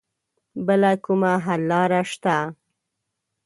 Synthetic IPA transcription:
bəlakumaɦalːɑɾaʃt̪a

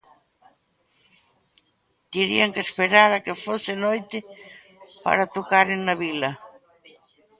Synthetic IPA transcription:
t̪iɾḭaŋkespeɾaɾakefosenojt̪ɪ | pa̰ɾat̪okaɾeŋnaβila

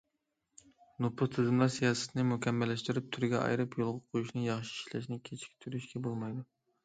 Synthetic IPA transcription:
nopʰʊt̪ʰɨzɨmlˠɑɾsijɑːsɛ̥t̪ʰnɪmukʲʰɛmːɛlːɛʃt̪yɾyp̚t̪ʰyɾɡʲɛʔɑ̰jɾɨpjolˠʁɑqʰojuʃnɨjɑχʃi̥iʃlɛ̰ʃnɪkʲʰet͡ʃʰi̥kʲt̪ʰyɾyʃkʲɛbolˠmɑjd̪u

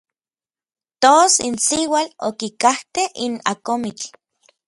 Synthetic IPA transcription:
t̪oːsinsiwalokikaht̪eina̰komit͡ɬ

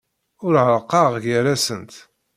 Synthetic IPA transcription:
ʊɾʕəɾˤqːɑʁʝəɾæsənt̪

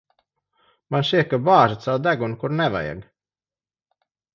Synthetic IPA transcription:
manʃiɛkːabaːʒat̪sawd̪æɡunkuɾnɛva̰ja̰ɡ

